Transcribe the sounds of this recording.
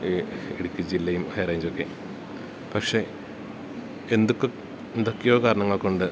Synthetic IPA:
eɽikʲːɨt͡ɕilːɐjumɐjrɐːjɲd͡ʑokːe | pɐkʂe̞ | end̪ukːɨ | end̪okːejo̞ːkaːɾɐɳɐŋːɐɭkoɳɖɨ

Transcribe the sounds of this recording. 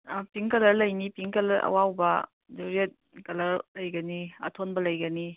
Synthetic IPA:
piŋkɐlɐɾlɐjnipiŋkɐlɐɐ̰wawbɐ | duɾiet̚ | kɐlɐɾlɐjɡɐniɐ̰tʰonbɐlɐjɡɐni

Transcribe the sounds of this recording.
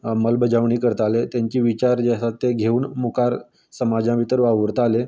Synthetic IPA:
məlbəd͡ʑaʋɳiːkəɾt̪alet̪jaɲt͡ɕiːʋit͡ɕaɾd͡ʑasat̪ːeɡʱeuːɳmukaɾ | səmad͡ʑãʋit̪əɾʋaʋəɾt̪ale

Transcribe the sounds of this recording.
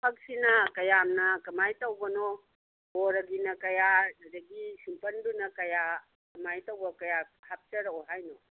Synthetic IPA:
pʰɐk̚sinɐkɐjamnɐkɐmajtowbɐno | boɾɐɡinɐkɐjadɐɡisimpɐndunɐkɐja | kɐmajtɐwbɐkɐjahap̚t͡ʃɐɾɐoɦajno

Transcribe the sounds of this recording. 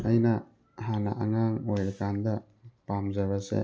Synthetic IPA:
ɐjnɐ | hana̰ʔaŋaŋojɾɐkandɐ | pamzabasḛ

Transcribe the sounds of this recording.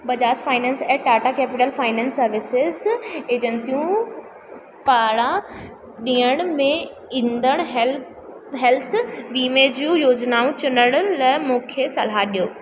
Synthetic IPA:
bɐd͡ʑaːsfaːɪnɛ̃ːnsɛʈaːʈakeːpɪʈəlfaːɪnɛ̃ːnsːɐɾʋɪsɪzeːd͡ʑənsijũ | paːɽã | ɗiːəɽ̃mẽ | ĩnd̪əɽ̃ɦ | ɦɛlt̪ʰʋiːmeːd͡ʑjũjoːd͡ʑnaːũt͡ɕʊnəɽ̃lɛmũːkʰesɐlaɗijoː

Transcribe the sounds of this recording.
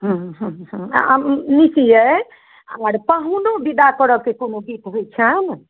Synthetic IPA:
ɦə̃ɦɦɦɦmnisijə | ə̰ŋəɾpəɦunobid̪akəɾəkekonobit̪ɦojt͡ʃʰən

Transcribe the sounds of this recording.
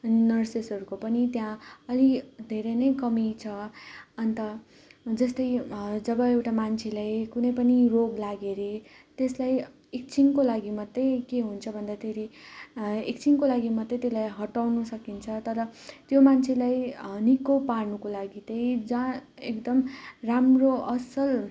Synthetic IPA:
ʌninʌrsesʌɾukopʌnit̪jãʌlid̪ʱeɾejnʌjkʌmit͡sʰʌʌnt̪ʌ | d͡zʌst̪ʌjd͡zʌbʌewʈamant͡sʰelajkunʌjpʌniroɡlaɡeɾe | t̪eslaj | ek̚t͡sʰiŋkolaɡimʌt̪ːʌjkeɦunt͡sʰʌbʱʌnd̪at̪ʰeɾi | ek̚t͡sʰiŋkolaɡimʌt̪ːejt̪elajɦʌʈawnusʌkint͡sʰʌt̪ʌɾʌt̪jomant͡sʰelajnikoparnukolaɡit̪ʌjd͡zãekd̪ʌmramroʌsʌl

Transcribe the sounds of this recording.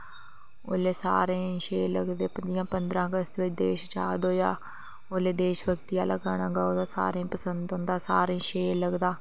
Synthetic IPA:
o̰ːleːsa̰ːɾẽːʃeːləɡd̪eːpəd͡ʒɪjãːpənd̪ɾãːəɡəst̪ʋɪt͡ʃd̪eːʃt͡ʃaːd̪oːja̰ː | oːleːd̪eːʃbəɡt̪ijaːlʔəɡaːnãːɡaːoːd̪aːsa̰ːɾẽːpəsənd̪õːnd̪aːsaːɾẽːʃeːləɡd̪aː

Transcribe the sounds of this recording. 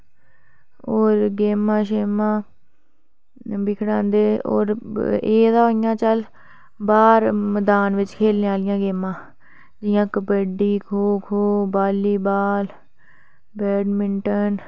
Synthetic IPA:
oːɾɡeːmãːʃeːmãː | bɪkʰɽãːnd̪eːo̰ːɾḛːd̪aːoɪjãːt͡ʃəl | baːɾməd̪aːnʋɪt͡ʃkʰeːlneːaːlɪjãːɡeːmãː | d͡ʒɪjãːkəbəɖiːkʰoːkʰoːbaːliːbaːl | bɛːɖmɪɳʈən

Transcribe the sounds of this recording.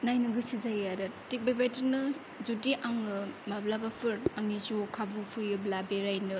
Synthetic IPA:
najnɯɡɯsizajadɐtik̚babajtɯɾnɯ | zutiʔaŋɯmablabapʰɯɾaŋisukʰabupʰɯjɯblabeɾajnɯ

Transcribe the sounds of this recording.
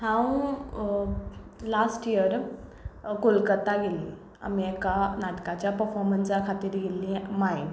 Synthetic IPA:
hãw | lasʈijəɾ | kolkət̪aɡelĩ | a̰miekanaʈkat͡ɕjapəɾfɔɾmənsakʰat̪iːɾɡelĩmai

